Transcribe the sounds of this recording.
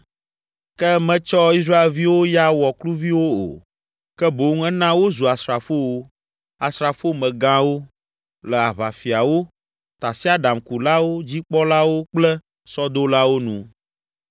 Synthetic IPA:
kɛ˦mɛ̃˦t͡ʃɔ˦i˦s̬ɾa˦e˨lvi˦wo˦ja˦wɔ˨klu˦vi˦wo˦o̰˨ | kɛ˦bo˨˦ŋ̩˦ɛ˦nã˦wo˦zu˨a˨sɾa˨fo˦wo˦ | a˨sɾa˨fo˦mɛ̃˨ɡã˦wo˦ | lɛ˨a˨βa˨fi˨a˨wo˦ | t̪a˨si˦a˦˨ɖa˨mku˨la˦wo˦d͡ʑi˦k͡pɔ˦la˦wo˦k͡plɛ˦ | sɔ˦d̪o˦la˦wo˦nũ˨

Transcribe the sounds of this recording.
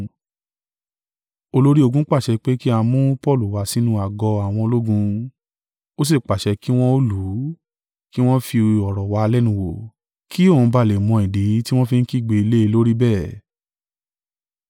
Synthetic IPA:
o˧lo˦ɾi˦o˧ɡũ˦k͡pa˦˨ʃɛ˧k͡pe˦ki˦a˧mũ˦pɔ˦˨lu˨wa˨˧si˦nũ˦a˨ɡɔ˧a˨w̃ɔ̃˧lo˦ɡũ˧ | o˦s̬e˦˨k͡pa˨ʃɛ˨˧ki˦w̃ɔ̃˦o˦lu˨˦ | ki˦w̃ɔ̃˦fi˧ɔ˨ɾɔ˨wa˨˦˧lɛ˦nũ˧wo˨ | ki˦o˦˨ũ˨˧ba˧˨le˨mɔ̃˧i˨di˨˦ti˦w̃ɔ̃˦fi˧n̩˦ki˦˨ɡ͡be˨˧i˧le˦i˧lo˦ɾi˦bɛː˦˨

